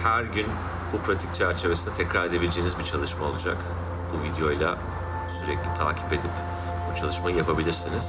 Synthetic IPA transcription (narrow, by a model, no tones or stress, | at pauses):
hæɾɟyn | bupɾat̪ʰic̚t͡ʃʰæɾt͡ʃʰe̞vesinɛt̪ʰɛcɾaɾe̞d̪e̞bilʲed͡ʒeːnizbit͡ʃʰalˠɯʃmao̞lˠud͡ʒa̰k | b̥uvid̪ejo̞jlˠa̰ | syɾɛclʲit̪ʰa̰ːcʰi̥pe̞d̪ip | but͡ʃʰalˠɯʃmajɯjapʰabilʲiɾsiniz̥